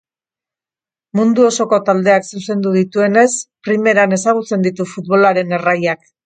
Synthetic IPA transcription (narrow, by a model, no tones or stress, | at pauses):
mund̪uo̞so̞ko̞t̪ald̪e̞aksuse̞nd̪uð̞it̪ue̞ne̞spɾime̞ɾane̞saɣ̞ut͡se̞nd̪it̪ufut̪βo̞laɾe̞ne̞rajak